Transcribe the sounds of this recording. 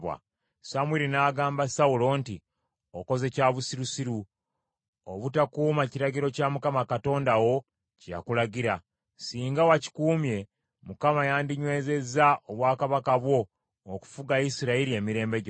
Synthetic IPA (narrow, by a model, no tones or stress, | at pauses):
wa̰ | samwiɾinaːɡaːmbasaulo̞ːnti | oko̞ze̞caːβusiɾusiɾu | oβutakuːmaciɾaɟiɾo̞camukamakato̞ːndawo̞ | cja̰kulaɟiɾa | siːŋɡawaci̥kuːmje̞ | mukamajaːndiɲwe̞ːze̞zaʔoβwaːkaβakaβwo̞ː | ku̥fuɡaisiɾaiɾie̞ːmiɾe̞ːmbeɟ